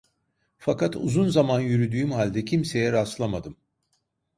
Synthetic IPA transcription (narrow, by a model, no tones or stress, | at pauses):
fakat̪ṵzunzamanjyɾyd̪yːmhalʲd̪ɛcʰimse̞jɛɾaslˠamad̪ɯm